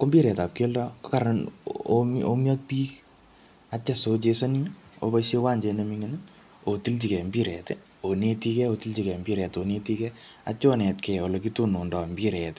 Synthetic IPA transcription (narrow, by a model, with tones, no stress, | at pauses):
ko˦mbiː˦ɾɛ˨ta˨p̚ko˦lako˦kaɾan | o˦mjɔ˦t̚piː˦k | at͡ʃa˨sot͡ʃe˧sani˦o̰˦ba˦ʃe˦wa˦ɲd͡ʒe˧nemiŋinɪ | o˨ti˦lt͡ʃi˨kɛ˨mbi˦ɾɛ˨te | one˦ti˦kɛ˦o˧ti˦lt͡ʃi˨kɛ˨mbi˦ɾɛ˨tone˦ti˦kɛ | a̰˦t͡ʃɔ˦nɛ˨tkɛ˨o˨lo˨kitu˦no˨ndɔ˨mbi˦ɾɛt